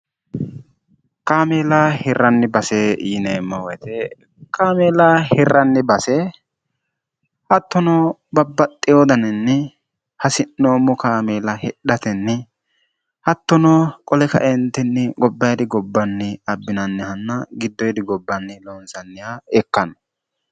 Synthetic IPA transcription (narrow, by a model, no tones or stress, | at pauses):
kaːmeːlɐhɛrːɐnːɪbɐsɛiːnɛɛmːɐwɔjt̪ɛ | kaːmeːlɐhɛrːɐnːɪbɐsɛ | hɐt̪ːɔnɔbɐbːɐt̪ʼːɪjoːd̪ɐnɛnːɛ | hɐsɪnːoːmːɔkaːmeːlɐhɛɗɐt̪ɛnːɪ | hɐt̪ːɔnɔkʼɔlɛkɐ̰ʔɛnt̪ɛnːɪɡɔbːɐjd̪ɪɡɔbːɐnːɪɐbːɪnɐnːɪhɐnːɐɡɪd̪ːɔjd̪ɪɡɔbːɐnːɪlɔnsɐnːɪjaɛkːɐn